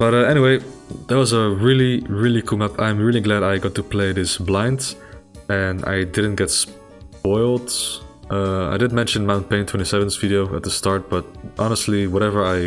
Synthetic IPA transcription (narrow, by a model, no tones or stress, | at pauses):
b̥ʌɾʌɛñiweɪðətwʌzəɹɪlˠiɹɪlˠikʰuŋʌpã̰ɪ̃mɹɪlˠiɡlæɾaɪɡɑtːupʰl̥eɪðɪsblãɪ̃nd | ɨ̃na̰ɪdɪdⁿn̩tɡ̥ɛts | pɔɪlˠd̥ʔʌa̰ɪdɪdⁿnmɛ̃nʃɨ̃nmãʊ̃npẽɪ̃ntʰw̥ɛ̃ntisɛvə̃nzviɾioʊə̰t̪̚ðəstɑɹt̚b̥ʌɾʔɑnəstˡliwʌɾɛvə˞aɪ